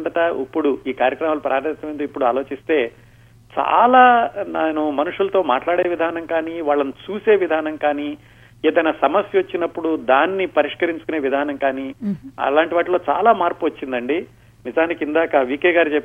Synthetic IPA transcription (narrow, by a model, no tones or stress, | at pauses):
nt̪ɐʈɐipːuɽuiːkaːɾjɐkɾɐmaːlɐpɾʔaːɾit̪ɐmɐjnd̪oipːuɽuaːlo̞ːt͡ʃist̪e̞ː | t͡ʃa̰ːlaːnaːnumɐnuʂulɐt̪o̞ːmaːʈlaːɽeːʋid̪ʱaːnɐŋkaːniːʋaːɭːɐnit͡ʃuːse̞ːʋid̪ʱaːnɐŋkaːniː | eːd̪ɐjnaːsɐmɐsjɐʋɐt͡ʃːinɐpːuɽud̪aːnːipɐɾiʂkɐɾiɲt͡ʃu̥kune̞ːʋid̪ʱaːnɐŋkaːniːɐ̰laːɳʈiʋaːʈloːt͡ʃa̰ːlaːmaːɾpuʋɐt͡ʃːind̪ɐɳɖi | nizaːnikind̪aːkɐʋiːkɛːɡaːɾit͡ʃepː